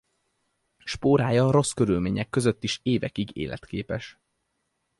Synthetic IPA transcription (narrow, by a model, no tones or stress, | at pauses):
ʃpoːɾaːjɒɾo̞skøɾylmeːɲɛkːøzøt̪ːiʃeːvɛkiɡḛːlʔɛ̰t̪keːpɛʃ